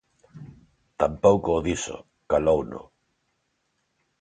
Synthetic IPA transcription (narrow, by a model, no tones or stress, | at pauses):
t̪ampowkoːðiso̰ | kalowno̰